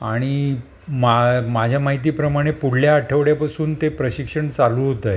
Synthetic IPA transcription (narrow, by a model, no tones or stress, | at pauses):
aɽ̃i | mamad͡ʑʱjamaɦit̪iːpɾəmaɽ̃epuɽljaːʈʰəʋɽjapasuːnt̪epɾəɕikʂəɳt͡saluːɦot̪əj